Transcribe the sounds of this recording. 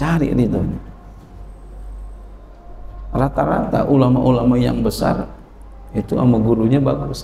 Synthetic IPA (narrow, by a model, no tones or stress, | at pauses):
aɾḭlid̪oni | rat̪aɾat̪a̰ʔulamaʔulamaja̰ŋbəsa̰r | it̪ua̰maɡuɾuɲabakus